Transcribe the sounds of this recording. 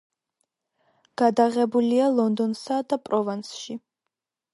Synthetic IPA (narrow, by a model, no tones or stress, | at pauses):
ɡ̥ad̪aʁɛbulialˠɔnd̪ɔnsad̪apʼɾɔvansʃi